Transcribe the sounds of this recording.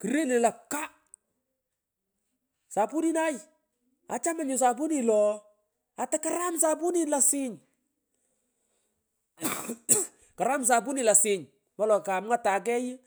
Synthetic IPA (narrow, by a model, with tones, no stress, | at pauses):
ki˨ɾe˦nɪ˨la˨ka˦ | sa˨pu˦ni˦na˦j | a̰˨t͡ʃa˦ma˦ɲʊ˨s̬a˨pu˦ni˨lɔ˨ | a˨ta˦ka˦ɾa˦msa˦pu˦ni˦la˨sɪ˦ɲ | ka˨ɾa˦ms̬a˨pu˦ni˨la˨sɪ˨ɲ | mɔ˦lɔ˨ka˨m˦ŋa˦ta˨k̬ɛ˦ji˦